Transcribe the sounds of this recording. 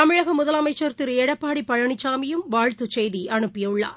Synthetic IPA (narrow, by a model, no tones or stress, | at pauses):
t̪ɐmɪɻɐɣɐmʊðɐlɐmɐɪt͡ʃːɐɾt̪ɪɾɛɽɐpːaːɽipːɐɻɐɳɪt͡ʃːaːmɪjɯmʋaːɻt̪ɯt͡ʃɛjðiʔɐɳɯpːɪjɐɯɭːa̰ːɾ